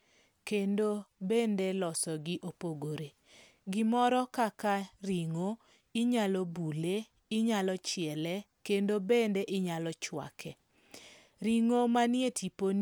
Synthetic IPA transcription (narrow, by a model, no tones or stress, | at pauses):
kendobendelɔsɔɡɪʔopoɡoɾe | ɡɪmɔɾɔkakaɾiŋo | ɪɲalɔbule | ɪɲalɔt͡ʃɪɛlɛ | kendobendeʔɪɲalɔt͡ʃwa̰kʰɛ | ɾiŋomanɪetʰipon